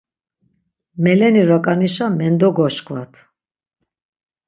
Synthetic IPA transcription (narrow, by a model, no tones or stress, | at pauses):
mɛlɛniɾɔkʼaniʃamɛnd̪ɔɡɔʃkʼvat̪ʰ